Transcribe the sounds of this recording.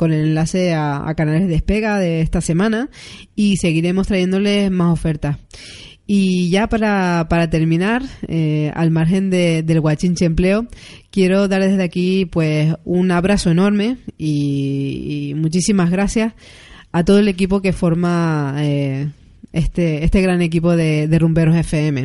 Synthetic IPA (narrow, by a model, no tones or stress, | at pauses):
ko̞ne̞lenlase̞aa̰kanalezðe̞hpe̞ɣaðe̞est̪ase̞mãnaise̞ɣiɾe̞mo̞st̪ɾaʝe̞nd̪o̞le̞smaso̞fe̞ɾt̪as | iʝapaɾapaɾat̪e̞ɾmĩnaɾea̰lmaɾxe̞nd̪ed̪e̞lɣwat͡ʃint͡ʃeemple̞okje̞ɾo̞ðaɾðe̞zðakipwe̞sunaβɾaso̞e̞no̞ɾme̞i | mut͡ʃisimazɣɾasjas | at̪o̞ð̞oele̞k̬ip̬o̞ke̞fo̞ɾmae | est̪eest̪e̞ɣɾane̞k̬ipo̞ðe̞ðe̞rumbe̞ɾose̞feeme̞